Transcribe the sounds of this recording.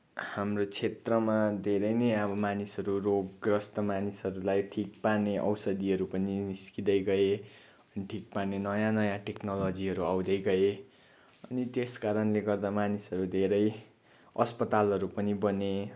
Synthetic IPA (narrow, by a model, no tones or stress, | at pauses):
hamrot͡sʰet̪rʌmad̪ʱeɾʌjnʌjʌbʌmanisʌɾuroɡɡrʌst̪ʌmanisʌɾulajʈʰik̚parneʔʌ̰wsʌd̪iʌɾupʌniniskid̪ʌjɡʌe | ʌniʈʰik̚parnenʌjãnʌjãʈeknolʌd͡ziɦʌɾuawd̪ʌjɡʌe | ʌnit̪eskaɾʌnleɡʌrd̪amanisʌɾud̪ʱeɾʌj | ʌspʌt̪alɦʌɾupʌnibʌne